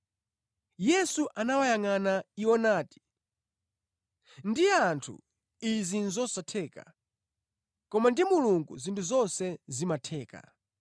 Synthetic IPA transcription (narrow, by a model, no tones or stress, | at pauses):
jɛsuʔanawajaŋanaiɔnaːti̥ | ndiantʰṵ | izinzɔsatʰɛːka̰ | kɔmandimuluŋɡṵzintʰuzɔnsɛzimatʰɛːka̰